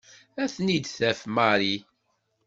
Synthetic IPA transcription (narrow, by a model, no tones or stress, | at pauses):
æθnid̪θæfmaɾi